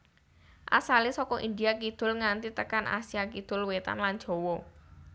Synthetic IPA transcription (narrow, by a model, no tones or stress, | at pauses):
ʔa̰salesɔkɔʔind̪iakid̪̥ʊ̤lŋant̪it̪əkanʔa̰sijakid̪̥ʊlwet̪a̰nlan̥ʒ̥o̤wɔ